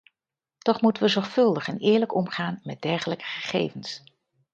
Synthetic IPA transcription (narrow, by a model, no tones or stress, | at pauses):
tɔχmutənʋəzɔɹχfɵlˠdəχɛnɪːɹləkɔmχaːnmɛt̚dɛɹχələkə̥χəχḛjvəns